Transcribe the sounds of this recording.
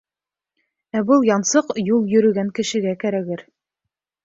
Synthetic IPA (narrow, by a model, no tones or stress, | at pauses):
æbɤlˠjɑnsɤqjulˠjɵ̆ɾɵ̆ɡæŋkɘ̆ʃɘ̆ɡækæɾæɡɘɾ